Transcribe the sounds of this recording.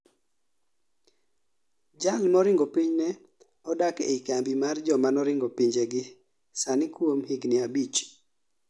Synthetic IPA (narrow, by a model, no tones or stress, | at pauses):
d͡ʒalnɔɾɪŋɡopiɲnɛ | ɔdakḛikambimard͡ʒɔmanɔɾɪŋɡɔpiɲd͡ʒeɡɪ | sanɪkwomhɪɡnɪabit͡ʃ